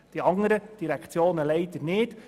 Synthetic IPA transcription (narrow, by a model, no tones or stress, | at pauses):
d̥iɑŋəɾəd̥iɾækt͡sjoːnəlɛɪt̪ənɪt